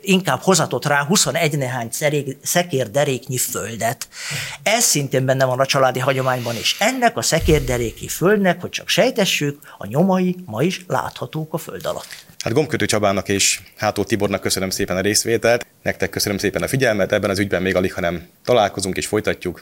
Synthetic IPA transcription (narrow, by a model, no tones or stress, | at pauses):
iŋkaːb̥ho̞zɒt̪o̞t̪raːɦuso̞nɛɟnɛɦaːɲsɛɾeːɡsɛkeːrd̪ɛɾeːkɲiføld̪ɛt̪ɛzsint̪eːmbɛnːɛvɒnɒt͡ʃɒlaːd̪iɦɒɟo̞maːɲbɒnḛːʃɛnːɛkɒsɛkeːrd̪ɛɾeːkɲḭføld̪nɛkho̞c̚t͡ʃɒkʃɛjt̪ɛʃːykɒ̰ɲomɒjimɒiʃla̰ːt̪hɒt̪oːkɒfø̰ld̪ɒ̰lɒ̰t̪ː | ha̰d̪ɡo̞mkøt̪øːt͡ʃɒbaːnɒkeːʃhaːt̪oːt̪ibornɒkːøsønømseːpɛnɒɾeːsʋeːt̪ɛlt̪nɛk̚t̪ɛkːøsønømseːpɛnɒfiɟɛlmɛt̪ɛbːɛnɒzyɟbɛmːeːɡɒlikhɒnɛmt̪ɒlaːlko̞zuŋkeːʃfo̞jt̪ɒcːuk